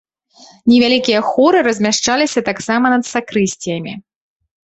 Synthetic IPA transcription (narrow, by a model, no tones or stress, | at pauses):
nʲɛvʲalʲikʲijɐxɔɾɨɾɐzʲmʲaʂt͡ʂalʲisʲɐt̪aksamɐnɐt̪sakɾɨsʲt͡sʲijɐmʲi